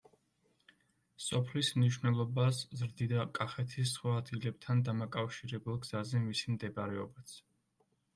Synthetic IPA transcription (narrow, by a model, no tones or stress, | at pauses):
sɔpʰlismniʃwnɛlˠɔbaszɾd̪id̪akʼaχɛt̪ʰisːχwaːd̪ɡilɛb̚t̪ʰand̪amakʼafʃiɾɛbulˠɡz̥azɛmisimd̪ɛbaɾɛɔbat̪sʰ